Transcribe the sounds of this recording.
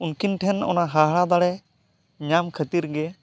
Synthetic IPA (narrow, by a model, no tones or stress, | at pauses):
unkinʈʰɛnɔ̰naɦaɦɽad̪aɽɛ | ɲamkʰət̪iɾɡɛ